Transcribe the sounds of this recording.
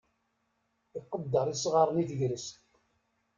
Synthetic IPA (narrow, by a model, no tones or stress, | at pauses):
iqːəd̪ːəɾˤisʁɑɾˤəniθəʝɾəst̪